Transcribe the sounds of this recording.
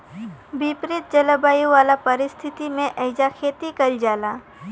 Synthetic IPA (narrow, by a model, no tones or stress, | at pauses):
bipɾɪt̪̚d͡ʒɐləbaːjuʋaːlapɐɾɪst̪ʰɪt̪imẽʔəɪd͡ʒakʰeːt̪ikɐld͡ʒaːlaː